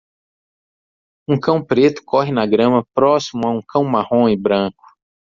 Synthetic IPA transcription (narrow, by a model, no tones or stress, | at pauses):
ũkɐ̃w̃pɾet̪ʊ̥kɔɦɪnɐɡɾɐ̃mɐpɾɔsimʊaũkʰɐ̃w̃mahõɪbɾɐ̃kʊ̥